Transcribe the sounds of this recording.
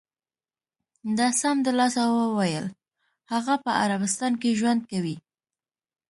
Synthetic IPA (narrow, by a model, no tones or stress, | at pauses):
d̪ɑsamd̪əlɑsawəwajəl | haɣapəaɾabɪst̪ɑnkeʒwand̪̚kawi